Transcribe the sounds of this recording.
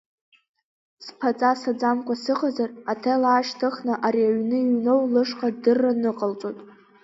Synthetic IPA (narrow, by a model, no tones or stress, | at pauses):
spʰat͡sʼasad͡zamkʷʼasɨqʼazaratʰalaːʃtʰɨχnɨʔaɾiaɥnɨiɥnowlɨʂqʼadɨrːanɨqʼalt͡sʷʼotʼ